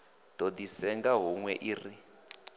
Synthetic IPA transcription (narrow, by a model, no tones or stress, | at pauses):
d̥odisɛŋɡaɦuŋwɛʔiːri